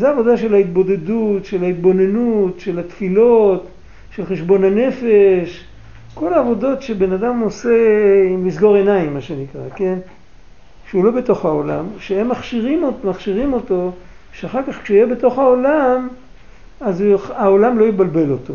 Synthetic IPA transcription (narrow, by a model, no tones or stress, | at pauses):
zeavo̞d̪aʃe̞lhait̪̚bo̞d̪e̞dutʃe̞lait̪bo̞ne̞nutʃe̞lat̪filo̞t̪ | ʃelχe̞ʃbo̞nane̞fe̞ʃ | ko̞laːvo̞do̞tʃe̞be̞nadamose̞immisɡo̞ʁe̞naimːaʃe̞nikʁa̰ke̞n | ʃeulo̞be̞t̪oχhaola̰mʃeemːaχʃiʁimomaχʃiʁimo̞t̪o̞ | ʃeaχaʁkaχkʃeijebe̞t̪o̞χhaolam | azuaolamlo̞jibalbe̞lo̞t̪o̞